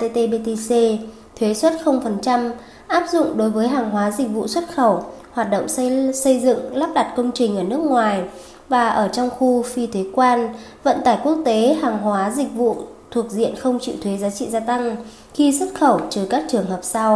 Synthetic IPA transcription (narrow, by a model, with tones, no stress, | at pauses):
t̪e˧t̪e˧ɓe˧t̪e˧se˧ | t̪ʰwe˨˦swə˦˥t̚xə˧wŋ͡mfə˨˩nt͡ɕa˧m | ʔaː˦˥p̚zʊ̰˧˨ŋ͡mɗo˨˦jvəː˨˦jɦaː˨˩ŋɦwaː˨˦zï˨˩k̟̚vṵ˧˨swə˦˥t̚xə˧˩whwaː˨˩t̚ɗə̰˧˨wŋ͡msə˧jzɨ̰˧˨ŋlaː˦˥p̚ɗa˨˩t̚kə˧wŋ͡mt͡ɕï˨˩ŋ̟ʔəː˧˩nɨ˦˥ək̚ŋwaː˨˩j | vaː˨˩ʔəː˧˩t͡ɕɔ˧wŋ͡mxu˧fi˧t̪ʰe˨˦kwaː˧nvə̰˧˨nt̪aː˧˩jku˦˥ək̚t̪e˨˦ɦaː˨˩ŋɦwaː˨˦zï˨˩k̚vṵ˧˨t̪ʰu˨˩ək̚zḭ˧˨ənxə˧wŋ͡mt͡ɕḭ˧˨wt̪ʰwe˨˦zaː˨˦t͡ɕḭ˧˨zaː˧t̪a˧ŋ | xi˧swə˦˥t̚xə˧˩wt͡ɕɨ˨˩kaː˦˥k̚t͡ɕɨ˨˩əŋhəː˨˩p̚sa˧w